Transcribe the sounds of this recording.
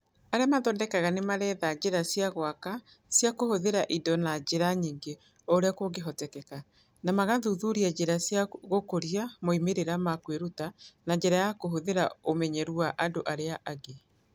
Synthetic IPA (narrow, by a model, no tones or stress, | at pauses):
aɾeamaðɔndɛkaɣanemaɾɛðad͡ʑeɾasjaɣwaka | sjakohoðeɾaʔidɔnad͡ʑeɾaɲiːŋɡe | ɔɾeakoɡeɦɔtɛkɛka | namaɣaðuðuɾiad͡ʑeɾasjaɣokoɾiamoimeɾeɾamakweɾutanaɲd͡ʑɛɾajakoɦoðeɾaomɛɲɛɾwaʔadoʔaɾeaʔaɡe